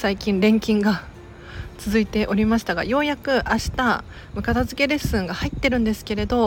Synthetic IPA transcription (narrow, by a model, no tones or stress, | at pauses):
saikʲĩnɾẽ̞ŋkʲĩŋɡa | t͡sɨzɨit̪e̞ʔo̞ɾʲimaɕi̥t̪aɡa̰jo̞ːjakɯ̟ʔaɕi̥t̪a | mɯ̟kat̪azɨke̞ɾe̞sɨ̃ŋɡahait̪ːe̞ɾɯ̟̃nd̪e̞sɨ̥ke̞ɾe̞d̪o̞